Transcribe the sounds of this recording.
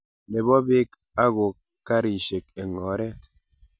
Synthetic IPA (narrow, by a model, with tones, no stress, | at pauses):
ne˨bɔ˦be˦k | a˦ɣo˨ | kːa˦ɾi˨ʃe˨ke˨ŋɔ˨ɾɛ˦